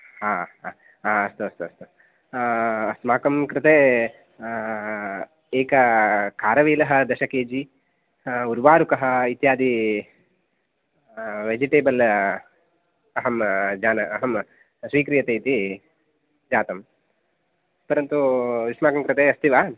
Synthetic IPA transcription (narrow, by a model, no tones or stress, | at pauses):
haːa | aɐst̪uɐst̪uɐst̪u | ɐsmaːkɐmkɾɪt̪eː | eːkɐkaːɾɐʋeːlɐɦɐ̆d̪ɐʃɐkeːd͡ʒi | uɾʋaːɾukɐɦɐ̆it̪jaːd̪i | ʋed͡ʒiʈeːbɐl | ɐɦɐmd͡ʒaːnɐɐɦɐm | sʋiːkɾijɐt̪eːt̪i | d͡ʒaːt̪ɐm | pɐɾɐnt̪uʋiʂmaːkɐmkɾɪt̪eːɐst̪iʋaː